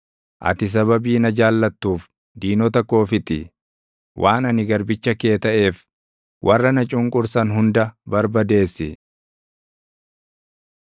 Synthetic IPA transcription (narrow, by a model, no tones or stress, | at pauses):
ʔɐ̰t̪ɪs̬ɐβɐbiːnɐd͡ʒaːlːɐt̪ːuːf | d̪iːnɔt̪ɐkːo̞ːfɪt̪ɪ̰ | wʔaːnɐnɪɡɐɾbɪt͡ʃːɐke̞ːt̪ɐʔe̞ːf | wʔɐrːɐnɐt͡ʃʼʊŋkʼʊɾsɐnɦʊnd̪ɐbɐɾbɐd̪e̞ːsːɪ